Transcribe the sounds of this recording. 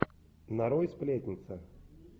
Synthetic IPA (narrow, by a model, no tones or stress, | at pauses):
naɾojsplʲet̪ʲnʲɪt̪sə